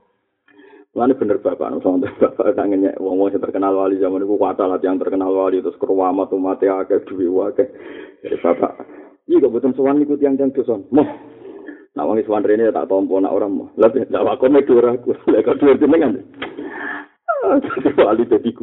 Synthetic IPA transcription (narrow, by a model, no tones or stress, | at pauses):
mlanib̥ənərb̥apa̰ʔnɔ̰ʔsəant̪ub̥apa̰ʔnaʔŋəɲɛ̰ʔwaŋwɔŋsat̪ərkənalwalizamanikukuat̪alat̪ijaŋt̪ərkənalwalit̪ʊskəruwamat̪umat̪ɛakɛd̥uwiwakɛd͡ʒadḭb̥apa̰ʔ | iɡaʔbət̪ənsəwanːikut̪iaŋt̪ijaŋt̪uswanmɔh | na̰ʔwa̰ŋisəwanrenijat̪a̰ʔt̪ɔmpɔna̰ʔo̰ɾaŋmɔ̰hlapid͡ʒawakɔmɛd̥uəɾakulɛkalʔd̥uərd̪inəŋan | dat̪iwalid̪ad̪iku